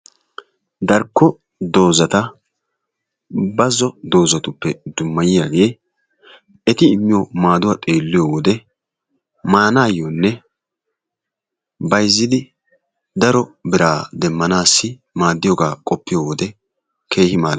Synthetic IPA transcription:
d̪ɐɾkːɔ | d̪o̞ːzɐt̪ɐ | bɐzːɔd̪o̞ːzɐt̪ʊpːɛd̪ʊmːɐjɪjaːɡe̞ː | ɛt̪ɪːmːɪjomaːd̪ʊwaːt̪ʼe̞ːlːɪjoːwɔd̪ɛ | maːnaːjːonːɛ | bɐjzːɪd̪ɪ | d̪ɐɾɔbɪɾaːd̪ɛmːɐnaːsːɪ | maːd̪ːɪjɔɡaːkʼɔpːɪjoːwɔd̪ɛ | kʰe̞ːhɪmaːl

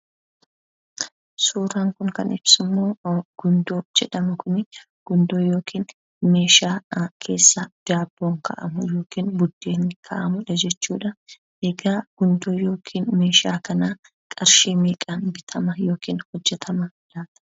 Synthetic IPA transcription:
suːɾaːŋkʊŋkɐ̰nɪb̥sɪmːo̞ːɡ̥ʊnd̪oːd͡ʒɛᶑɐmʊkʰʊnɪ | ɡ̥ʊnd̪o̞ːjo̞ːkʰiːn | me̞ːʃaːkʰe̞ːsːɐd̪̥aːbːo̞ːŋkʰɐ̰ʔɐ̰mʊjo̞ːkiːnbʊd̪ːeːnɪkʰɐ̰ʔɐmʊᶑɐd͡ʒɛt͡ʃːuːᶑɐ | ʔɛɡaːɡ̥ʊnd̪o̞ːjo̞ːkʰiːnme̞ːʃaːkɐnaː | kʼɐɾʃeːmiːkʼɐnbɪt̪ʰɐmɐjo̞ːkiːnhɔd͡ʒːɛt̪ʰɐmɐ | laːt̪ɐ̥

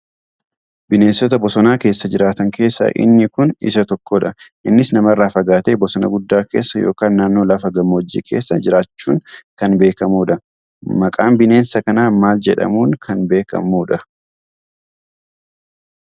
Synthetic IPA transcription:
bɪne̞ːnsɔt̪ɐbɔsɔnaːke̞ːsːɐd͡ʒɪɾaːt̪ɐŋke̞ːsːɐ̰ʔɪ̰nːɪkʊnɪ̰sɐt̪ɔkːoᶑɐʔɪnːɪsnɐmɐrːaːfɐɡaːt̪e̞ːbɔsɔnɐ̰ɡʊd̪ːaːke̞̰ːsːɐjo̞̰ːkaːnːaːnːo̞ːlɐfɐɡɐmːɐwɔd͡ʒːḭːkʰe̞̰ːsːɐd͡ʒɪɾaːt͡ʃːuːŋkɐnbe̞ːkɐmuːᶑɐ | mɐkʼaːmbɪne̞ːnsɐkɐnaːmaːld͡ʒɛᶑɐ̰muːŋkʰɐnbe̞ːkɐ̰muːᶑɐ

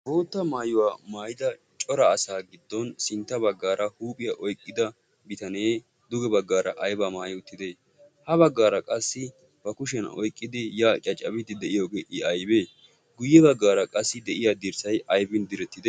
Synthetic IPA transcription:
bo̞ːt̪ːɐmaːjʊwaːmaːjɪd̪ɐ | t͡ʃʼɔɾɐːsaːɡɪd̪ːɔnsɪnt̪ːɐbɐɡːaːɾʔɐhuːpʼɪjɐʔɔjkʼːɪd̪ɐ | bɪt̪ɐneː | d̪ʊɡɛbɐɡːaːɾɐʔɐjbamaːjʊt̪ːɪd̪eː | hɐβɐɡːaːɾɐkʼɐsːɪ | bɐkʊʃ̬ɛnɔ̰jkʼːɪd̪ɪjaːt͡ʃʼɐt͡ʃʼːɐbɪt̪ːɪd̪ɛʔɪjo̞ːɡeːʔɪɐjbe̞ː | ɡʊjːɛbɐɡːaːɾɐkʼɐsːɪd̪ɛʔɪjaːd̪ɪɾsɐjɐjbɪnd̪ɪɾɛt̪ːɪd̪ɛ

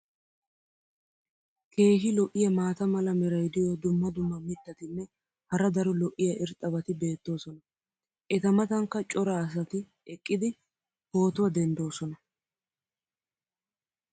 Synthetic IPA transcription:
kʰe̞ːɦɪlɔʔɪjɐmaːt̪ɐmɐlɐmɛɾɐjd̪ɪjod̪ʊmːɐd̪ʊmːɐmɪt̪ːɐt̪ɪnːɛ | hɐɾɐd̪ɐɾʊlɔʔɪjɐʔɪɾt̪ʼːɐbɐt̪ɪbe̞ːt̪ːo̞ːsɔnɐ | ʔɛt̪ɐmɐt̪ɐŋkːɐt͡ʃʼɔɾɐːs̬ɐt̪ɪ | ɛkʼːɪd̪ɪ | ho̞ːt̪ʊwɐd̪ɛnd̪o̞ːsɔnɐ

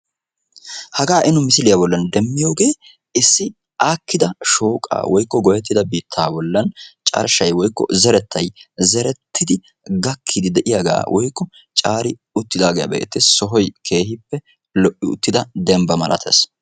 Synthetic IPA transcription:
hɐɡaːʔɪnʊmɪsɪlɪjabɔlːɐnd̪ɛmːɪjoːɡe̞ː | ɪsːɪ | aːkːɪd̪ɐʃo̞ːkʼa̰ːwʔɔjkːɔɡɔjɛt̪ːɪd̪ɐbiːt̪ʰːaːbɔlːɐnt͡ʃʼɐ̰ɾʃɐjwɔjkːɔ̰zɛɾɛt̪ʰːɐjzɛɾɛt̪ːɪd̪ɪ | ɡɐkʰːɪd̪ɪd̪ɛʔɪjaɡa̰ːwʔɔjkːɔ | t͡ʃʼaːɾɪ | ʊt̪ːɪd̪aːɡejɐ̰bḛːt̪ːɪssɔɦɔjkʰe̞ːhɪpːɛ | lɔʔːɪʊ̰t̪ːɪd̪ɐd̪ɛmbɐmɐlʔɐ̰t̪ʰḛːs

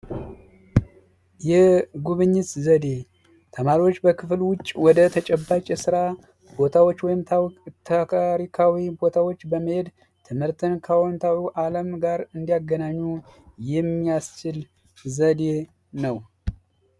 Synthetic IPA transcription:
jɛɡuβɨɲːɪt̪zəd̪e̞ | t̪ʰəmaɾiwo̞t͡ʃːbəkʰɨflwʊt͡ʃʼwɔd̪ət̪ʰət͡ʃʼɛbːat͡ʃʼɛsɨɾa | b̥o̞t̪ʰawot͡ʃːwɔjɪmt̪ʰat̪ʰaaɾikʰawibo̞t̪ʰawo̞t͡ʃːbəməhe̞d̪ | t̪ʰɨmhɨɾt̪ʰɨnkʰəwɔnt̪ʰawiʔaləmɡaɾɨnd̪ijaɡːənaɲːujɛmːijast͡ʃɪl | zəd̪e̞ | nəw

